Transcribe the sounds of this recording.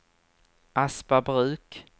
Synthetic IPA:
ʔaspabɾʉ̟ːk

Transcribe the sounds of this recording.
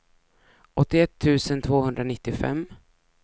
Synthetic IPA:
ʔɔt̪ːɪɛt̪ʰːʉ̟ːsənt̪ʰvoːhɵnd̪ɾanɪt̪ːɪfɛ̰mː

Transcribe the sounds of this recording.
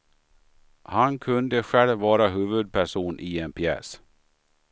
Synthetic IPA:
hankʰɵnd̪əɧɛɭvɑːɾaɦʉːvɵd̪̚pʰæʂuːnʔiːenpʰɪɛ̰s

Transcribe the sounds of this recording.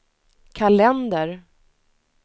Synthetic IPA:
kʰalɛnd̪əɾ

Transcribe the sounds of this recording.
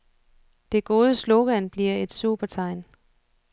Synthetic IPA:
d̥e̝ɡ̥o̝ːð̞ˠəslo̝ɡ̥ænb̥liɐ̰e̝d̥sub̥ɐt͡sʰɑ̈ɪ̰n

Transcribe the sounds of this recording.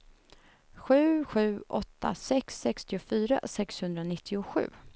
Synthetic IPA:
ɧʉ̟ːɧʉ̟ːʔɔt̪ʰːa̰sɛksːɛkst̪ɪʊfyːɾa̰sɛkshɵnd̪ɾanɪt̪ʰːɪʊɧʉ̟̰ː

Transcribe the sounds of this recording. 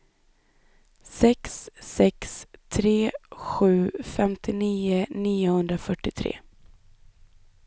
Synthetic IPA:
sɛksːɛkst̪ʰɾeːɧʉ̟ːfɛmt̪ʰɪniːəniːʊhɵnd̪ɾafœʈːɪt̪ʰɾḛː

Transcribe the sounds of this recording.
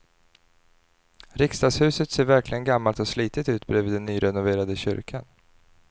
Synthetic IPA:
ɾɪkst̪ɑːɡshʉ̟ːsət̪seːɾvæɾklɪɡənɡamːalt̪ɔsliːt̪ɪt̪ʉ̟ːt̪bɾeːviːd̪ɛnːyːɾɛnʊveːɾad̪əɕʏ̰ɾkʰan

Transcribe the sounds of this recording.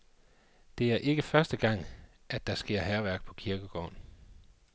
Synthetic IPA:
d̥e̝æɐʔe̝ɡ̥əfɶɐsd̥əɡ̥ɑ̈ŋ̰ | æd̥ːɑ̈sɡ̥e̝ɐ̰ɦæɐʋæɐ̰ɡ̥̚pʰɒ̽kʰiɐɡ̥əɡ̥ɒ̰ːn

